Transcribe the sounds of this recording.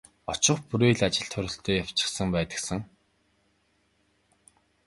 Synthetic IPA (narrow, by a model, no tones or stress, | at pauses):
ɔt͡ɕɪ̆χpuɾeːɮat͡ɕɪ̆ɬt̪ʰχœɾʲɪ̆ɬt̪œːjaw̥t͡ɕɪ̥̆χsə̆ŋpæːt̪ə̆ksə̆ŋ